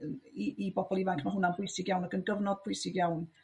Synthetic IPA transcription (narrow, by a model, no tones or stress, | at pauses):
iibɔbɔlˠɪvakʰmaɦʊnanbʊɨsɪɡjawnaɡənɡəvnɔd̚bʰʊɨsɪɡjawn